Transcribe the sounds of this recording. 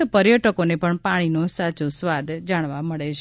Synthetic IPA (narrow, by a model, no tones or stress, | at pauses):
pəɾjəʈəkonepəɳpaɽ̃inosat͡ʃusʋad̪ʱd͡ʒaɽ̃ʋaməɭet͡ʃʰ